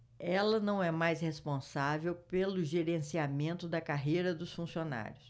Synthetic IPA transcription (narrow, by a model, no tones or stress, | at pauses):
ɛlɐnɐ̃w̃ɛmajshespõsavewpelʊʒeɾẽsiamẽnt̪ʊd̪ɐkaɦejɾɐd̪ʊsfũsiona̰ɾjʊs